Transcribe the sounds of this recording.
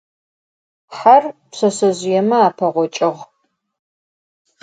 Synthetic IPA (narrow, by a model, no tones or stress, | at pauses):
ħarpɕɐsɐʑʷjɛmɐaːpʰɐʁʷɔt͡ʃʼɪʁ